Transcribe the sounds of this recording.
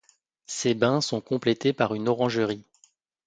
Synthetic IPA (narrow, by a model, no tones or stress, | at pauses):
sebɛ̃sɔ̃kɔ̃plet̪epaʁynɔʁɑ̃ʒəʁi